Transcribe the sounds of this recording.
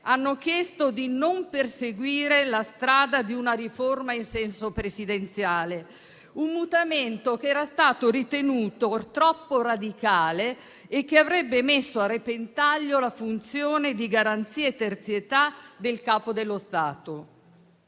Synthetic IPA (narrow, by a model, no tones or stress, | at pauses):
anːok̟jɛst̪od̪inomperseɡwiːɾelast̪ɾaːd̪ad̪iunaɾiformainsɛnsopɾesid̪ent̪sjaːle | umːut̪ament̪okeɛːɾast̪aːt̪oɾit̪enuːt̪ot̪ɾɔpːoɾad̪ikaːleː | k̟ːeavɾɛbːemesːoarːepent̪aʎːolafunt̪sjoːned̪iɡaɾant̪siːaet̪ːert̪sjet̪ad̪elkaːpod̪elːost̪aːt̪o